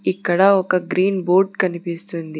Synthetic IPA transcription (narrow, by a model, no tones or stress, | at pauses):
ikːɐɽɐɔkɐɡɾiːnboːɾɖkɐnipist̪und̪i